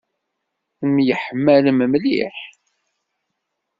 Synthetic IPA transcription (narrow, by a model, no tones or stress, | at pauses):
θəmjəħəmːæləməmlḭħ